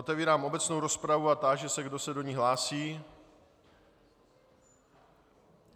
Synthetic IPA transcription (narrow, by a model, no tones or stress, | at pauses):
ot̪ɛviːɾaːmʔo̞bɛt͡snowɾo̞spɾavuat̪aʒɛsɛɡdo̞sɛdo̞ɲiːɦlaːsiː